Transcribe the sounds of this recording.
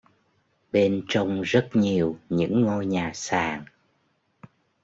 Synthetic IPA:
ɓe˧nt͡ɕɔ˧wŋ͡mzə˦˥t̚ɲi˨˩əwɲɨ̰˧˥ŋːo˧jɲaː˨˩saː˨˩ŋ

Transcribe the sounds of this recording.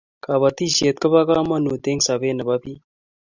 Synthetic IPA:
ka˨βa˨t̪i˦ʃe˨t̪̚kə˦ba˦ka˦ma˦nu˨t̪e˦ŋɡsa˨be˦nə˨ba˦pi˦

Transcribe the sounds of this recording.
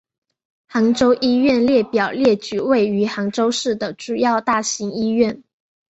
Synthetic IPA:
xɑ˧˥ŋʈ͡ʂo˥ʊʔi˥ɥɛ˥˧nljɛ˥˩pjɑ˨˩ʊljɛ˥˩t͡ɕy˨˥˩we˥˩ɪy˧˥xɑ˧˥ŋʈ͡ʂo˥ʊʂɻ̩˥˩d̪ə˩ʈ͡ʂu˨˩jɑ˥˧ʊt̪a˥˩ɕi˧˥ŋi˥ɥɛ˥˩n

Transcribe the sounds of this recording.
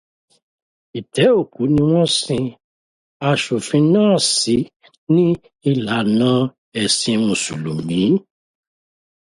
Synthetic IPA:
i˨tɛ˨˦o˦˨ku˨˦nĩ˧w̃ɔ̃˦sĩ˧ | a˧ʃu˨fĩ˧nãː˦˨si˨˦ | nĩ˦ | i˦˨la˨nã˦ | ɛ˨sĩ˧mũ˨sṵ˨lu˨mĩ˨˦

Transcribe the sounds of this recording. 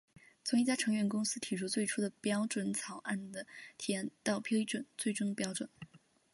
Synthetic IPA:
t͡sʰʊ˧˥ŋi˥˩t͡ɕja˥ʈ͡ʂʰɤ˧˥ŋɥɛ˥˩nkʊ˥ŋsɹ̩˥t̪ʰi˨˩ʈ͡ʂʰu˥˧t͡swe˥˩ɪʈ͡ʂʰu˥d̪ə˨pjɑ˥ʊʈ͡ʂwə˨˩nt͡sʰɑ˨˩ʊʔa˥˩nd̪ə˩t̪ʰi˨˩˧nt̪ɑ˥˩ʊpʰji˥ʈ͡ʂwə˨˩˦nt͡swe˥˩ɪʈ͡ʂʊ˥ŋə˩pjɑ˥ʊʈ͡ʂwə˨˩˦n

